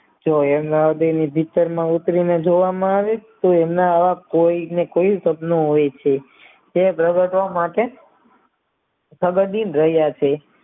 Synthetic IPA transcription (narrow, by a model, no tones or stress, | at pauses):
d͡ʒoemnaəd̪ənibʱit̪əɾmãut̪ɾined͡ʒoʋamãaʋet̪oemnaːʋakoinekoisəbnoɦojet͡ʃʰe | epɾəɡəʈʋamaʈe | səɡəd̪inɾəɦjat͡ʃʰe